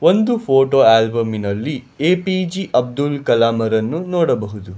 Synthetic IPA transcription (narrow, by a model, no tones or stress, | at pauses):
ond̪upʰoːʈoːaːlbɐminɐlːi | eːpid͡ʒiʔɐb̚d̪ulkɐlaːmɐɾɐnːunɔːɽɐbɐɦud̪u